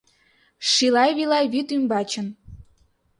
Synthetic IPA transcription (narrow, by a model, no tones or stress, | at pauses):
ʃilɑjβilɑjβyt̪ymbɑt͡ɕə̆n